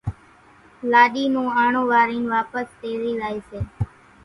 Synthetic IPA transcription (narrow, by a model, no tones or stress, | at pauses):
laːɗiːnũːaːɳõːʋaːɾiːnʋaːpəst̪eːɾiːzaːiːseː